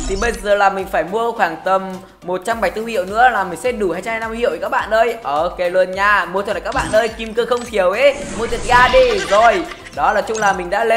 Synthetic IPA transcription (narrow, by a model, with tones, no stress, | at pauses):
t̪ʰi˨˩ɓə˧jzəː˨˩laː˨˩mï˨˩ŋ̟faː˧˩jmu˧əxwaː˧˩ŋt̪ə˨˩mː | o˨˩t̚t͡ɕa˧mɓa˧˩jt̪ɨ˧hḭ˧˨ə˨wnɨ̰˧˥əlaː˨˩mï˨˩ŋsɛ˧˥ɗu˧˩haː˧jt͡ɕa˧haː˧jna˧hḭ˧˨wʔkaː˦˥k̚ɓa̰ː˧˨ʔəː˧jʔəː˧˩ke˨˩˦lwə˨˩nɲaː˨˩mu˧ət̪ʰːkːa˦˥ɓa̰ː˧˨nʔəː˧jki˧mkəː˧xə˧wŋ͡mt̪ʰi˨˧˩əwʔe˨˦mu˧ət̪ʰt̚ɣaː˧ɗi˧zo˨˩j | ɗɔ˨˦laː˨˩t͡ɕʊ˧ŋ͡mlaː˨˩mï˨˩ŋ̟ɗa̰ː˧˥le˧